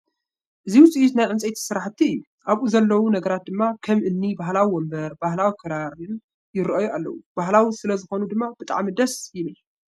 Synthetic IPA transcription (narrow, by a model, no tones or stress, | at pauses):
ʔɨziwʊt͡sʼiʔit̪najʕɨnt͡sʼejt̪ʰi̥sɨɾaħt̪ʰːiɨjːu | ʔaβʔuzɐlːɐwunɐɡɐɾat̪̚d̪ɨmːakʰɐmʔɨnːibaɦlawiwombɐɾbahlawikʰɨɾaɾɨn | jɪɾʔɐjoalːɐ̰wub̥aɦlawisɨlɐzɨxo̞nud̪ɨmːab̥ɨt̪ʼa̰ʕmid̪ɐsjɪnɨj